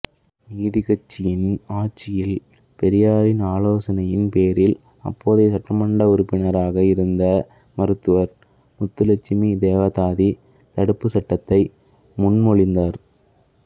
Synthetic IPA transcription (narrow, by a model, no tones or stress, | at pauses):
niːðɪɣɐt͡ʃːɪjɪnaːt͡ʃːɪjɪl | pɛɾɪjaːɾɪnaːloːsɐnɐjɪnpeːɾɪl | ɐ̰pːoːðesɐʈrɐmɐɳɖɐʊɾʊpːɪnɐɾaːɣɐɪɾɯnd̪ɐ | mɐɾɯt̪ːɯʋɐɾ | mʊt̪ːɯlɐt͡ʃːɪmid̪eːʋɐt̪aːði | t̪ɐɽɯpːɯsɐʈːɐt̪ːɐɪ | mʊɳmɔɭɪnd̪aːɾ